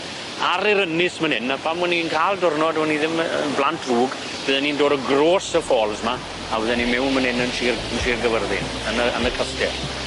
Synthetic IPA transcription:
aɾɪɾənɪsmənhɪnːapʰamwɛninkʰaːlˠdʊrnɔdwɛniðɪmnblˠantʰruːɡ | b̥ɨːðɛnindoːdəɡroːsəfoːlˠzma | awəðɛnimɛwnmənhɪnənʃiːrənʃiːrɡəvərðɪ̰n | ənəənəkʰəstɛ

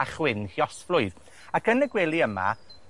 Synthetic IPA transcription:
aχwɪnhjɔsflʊɨð | aɡənəɡwɛlˠiəma̰

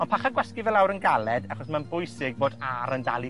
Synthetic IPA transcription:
ɔnpʰaχaɡwɛskivɛlˠawɾənɡalˠɛdaχɔsmanbʊjsɪɡ̚boːdaɾəndalˠi

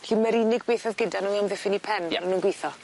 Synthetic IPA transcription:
ɬiːmɛɾiːnɪɡ̚beːθaðɡɪdanuamðɪfɪnipʰɛnaɾanuːnɡwejθɔ

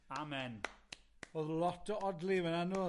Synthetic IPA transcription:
amɛn | oðlˠɔtɔdlivɛnanu

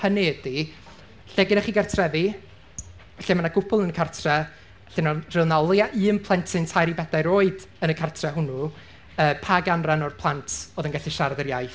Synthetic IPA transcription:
həneːdi | ɬɛɡɪnaχiːɡartʰrɛði | vɛɬɛmanaɡ̥ʊpʰʊlˠənəkʰartʰrɛ | ɬɛnɔr̥ɪlˠnalˠjaʔɨːmpʰlˠɛntʰɪntʰajɾibɛdajɾoːɨdənəkʰartʰrɛɦʊnu | əːpʰaɡanranɔrpʰlˠantʰoːðənɡaɬiʃaɾadəɾjajθ

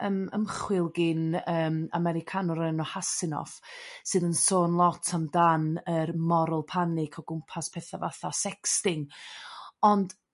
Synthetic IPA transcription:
əmə̰mχwɪlˠɡɪnəːma̰mɛɾɪkʰanɔɾənɔhasɪnɔ̰fsɨːðənsoːnlˠɔtʰamdanərmɔɾʊlˠpʰanɪkʰɔɡʊmpʰaspʰeːθavaθasɛkstɪŋ | ɔnd̥

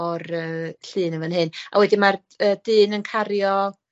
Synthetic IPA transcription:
ɔrəːɬɨːnəvənɦɨna̰wɛdɪmar | əːdɨːnənkʰaɾjɔ

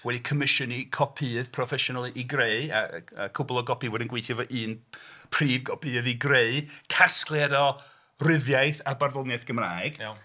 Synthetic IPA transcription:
wɛdikʰəmɪʃɔnikʰɔpʰiːð̥pʰrɔfɛʃɔnalˠiʔiɡreɨa̰əkʰʊbɔlˠɔɡɔpiwɛdɪnɡwejθjɔvɔʔɨːnpʰriːvɡɔpʰiːðiɡreɨkʰasklˠjadɔ | rɪðjajθabarðɔlˠnaθɡ̥əmraːɨɡ̥

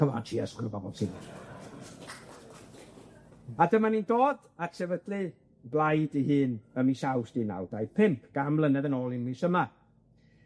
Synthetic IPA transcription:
əma̰tʰiaskʰəɾbɔbɔlˠtʰiːn | adəmaniːndoːd | atsʰɛvəd̥lɨ | blˠajdihɨːnəmisawsd̥ina̰wd̥ajpʰɪmpʰɡ̥amlˠənɛðənɔːlˠɪnmisəma

